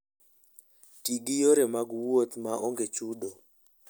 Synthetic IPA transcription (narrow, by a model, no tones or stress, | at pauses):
tiɡijoɾemaɡwot̪maʔoŋɡet͡ʃudo